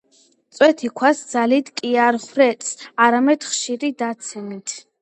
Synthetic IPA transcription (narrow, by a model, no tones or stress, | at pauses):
t̪sʼwɛt̪ʰikʰwasd̪zalit̪kʼiaɾχwɾɛt̪ʼsaɾamɛd̪̥χʃiɾid̪at̪sʰɛmit̪ʰ